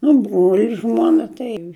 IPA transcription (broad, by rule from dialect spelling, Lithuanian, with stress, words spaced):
nʊ ˈbruɔlʲɪ ˈʒmuɔnɐ tɐɪ